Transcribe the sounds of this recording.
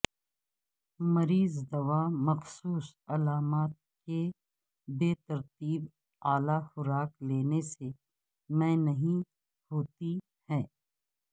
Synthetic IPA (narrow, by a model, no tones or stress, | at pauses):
mɐɾiːzd̪ɐʋamɐxsuːsɐlaːmaːt̪̚ke | beːt̪ɐɾt̪iːb | aːlaxʊɾaːkleːnese | mɛ̃ːnɐɦĩ | hoːt̪i | hɛ̃ː